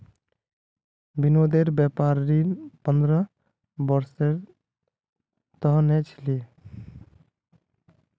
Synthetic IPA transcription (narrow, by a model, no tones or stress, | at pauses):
binod̪eɾbɛpaɾːipʌnd̪ɾɔ | bɔɾseɾ | t̪ɔɦnɛt͡ʃʰi̥li